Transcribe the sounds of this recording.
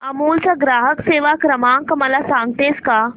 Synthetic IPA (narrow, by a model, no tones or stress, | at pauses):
ɐmuːlt͡saɡɾaːɦəkseːʋakɾəmãːŋkməlasãŋɡt̪eːska